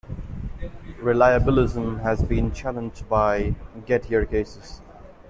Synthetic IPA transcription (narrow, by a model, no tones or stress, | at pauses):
ɹɪlaɪəbɪlɪzə̃mɦɨzbĩnt͡ʃʰælə̃nd͡ʒdbaɪɡɛthiəɹkʰeɪsɪz̥